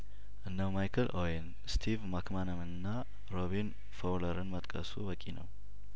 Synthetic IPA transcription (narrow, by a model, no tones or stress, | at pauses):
ʔɨnːəwmajkʰəlʔojen | st̪ʰivmakmanəmɨnːa | ɾoβin | fawləɾɨnmət̪ʼkʼəsubəkʼinəw